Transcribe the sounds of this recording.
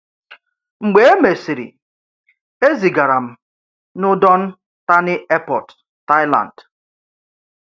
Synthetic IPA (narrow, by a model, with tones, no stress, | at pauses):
ŋ͡m̩˨ɡ͡be˨e˦me˨si˨ɾḭ˨ | e˦zi˨ɡa˨ɾa˨m̩˨ | nʊ˦dɔ˦n̩˦ | ta˦nɪ˦ɛ˦pɔ˨tː | a˦ɪ˦la̰˨nd̥